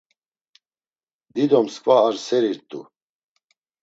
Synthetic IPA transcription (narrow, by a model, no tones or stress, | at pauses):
d̪id̪ɔmskʼvaːɾsɛɾiɾt̪ʼṵ